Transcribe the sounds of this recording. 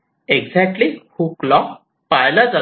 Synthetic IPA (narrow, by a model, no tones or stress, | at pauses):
eɡd͡zɛk̚ʈlihuklɔk | pajlad͡za